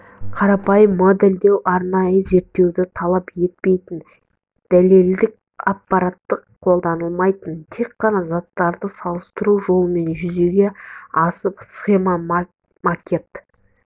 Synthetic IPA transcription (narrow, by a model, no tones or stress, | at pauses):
qʰɑɾɑpɑjəmːod̪eld̪e̞wʔɑɾnɑjəze̞ɾt̪ːe̞wd̪ɪt̪ʰɑlˠɑpje̞t̪̚pe̞jt̪ɪn | d̪̥æle̞ld̪ɪk̚ | ɑpːɑɾat̪ːəqʰːo̞lˠd̪ɑnəlˠmɑjt̪ənt̪ʰe̞kqːɑnɑzɑt̪ːɑɾd̪əsɑlˠəst̪əɾuʒo̞lˠəme̞nʒʏze̞ɡʲe̞ɑsəpsχe̞ma | makʲe̞t̪